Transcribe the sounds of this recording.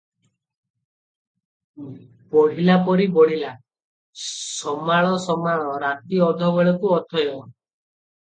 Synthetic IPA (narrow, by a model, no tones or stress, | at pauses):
bɔɽ̤ilapɔɾibɔɽ̤ila | sɔmaɭ̃ɔsɔmaɭ̃ɔɾat̪iɔd̪ʱɔbeɭɔkuɔt̪ʰɔjɔ